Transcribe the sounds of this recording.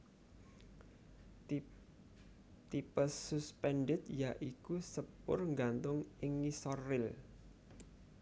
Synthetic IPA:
t̪ipəsuspɛnɖɪt̪jaʔikusəpʊ̰rŋɡant̪ʊŋɪŋisɔrɪl

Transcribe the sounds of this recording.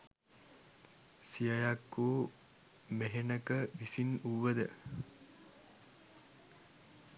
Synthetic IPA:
sijajakːuː | meɦenəkəʋisinuʋːəd̪ə

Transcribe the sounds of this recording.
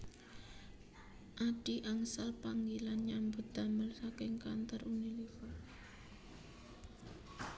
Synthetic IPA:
ʔaɖ̥iʔaŋsalpaŋɡilanɲambʊt̪̚d̪̥aməlsakɪŋka̰nt̪ərunilika

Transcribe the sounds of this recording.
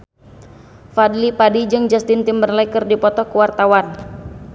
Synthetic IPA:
fadlipadid͡ʒɨŋd͡ʒast̪ɪnt̪imbərlakɨrdipɔt̪ɔkuwart̪awan

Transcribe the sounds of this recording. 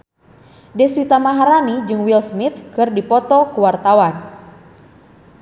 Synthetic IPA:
dɛswit̪amaɦaɾanid͡ʒɨŋwilsmit̪kɨrdipɔt̪ɔkuwart̪awan

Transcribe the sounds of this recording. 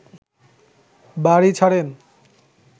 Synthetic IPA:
baɾit͡ɕʰaɽen

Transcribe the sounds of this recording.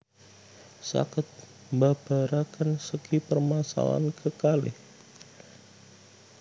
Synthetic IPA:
sa̰kɪt̪̚ | mbab̥aɾakansəkipərmasa̰la̰nkʰəkalɪ̰h

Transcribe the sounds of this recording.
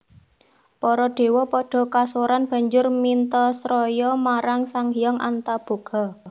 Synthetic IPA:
pɔɾɔɖ̥e̤wɔpɔɖ̥ɔ̤kasoɾanb̥a̤ɲd͡ʒʊrmint̪ɔsɾɔjɔmaɾaŋsaŋijɔŋʔa̰nt̪ab̥o̤ɡ̥ɔ̤

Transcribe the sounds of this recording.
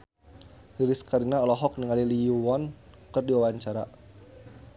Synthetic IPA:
liliskaɾinaɔlɔɦɔk̚niŋaliliuwɔnkɨrdiwawaɲt͡ʃaɾa̰

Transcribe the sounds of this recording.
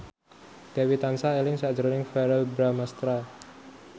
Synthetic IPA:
d̥awit̪ansaelɪŋsḁd͡ʒəɾnɪŋfɛɾəlbɾamast̪ɾa

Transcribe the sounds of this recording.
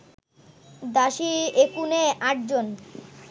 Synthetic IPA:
d̪aʃiekuneaʈ̚d͡ʑon

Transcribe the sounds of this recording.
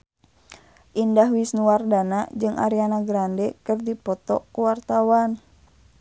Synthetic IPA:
ʔindahwisnuwardanad͡ʒɨŋʔa̰ɾianaɡɾandɛkɨrdipɔt̪ɔ̰kuwart̪awan

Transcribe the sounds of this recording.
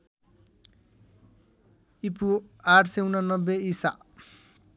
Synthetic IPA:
ipuaʈʰseunanʌbːeisa̰

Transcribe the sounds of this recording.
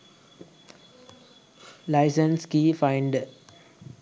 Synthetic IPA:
laɪsə̃nskifãɪɳɖə

